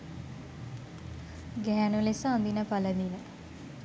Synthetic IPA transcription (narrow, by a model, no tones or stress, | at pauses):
ɡɛɦænulesəand̪inəpalənilə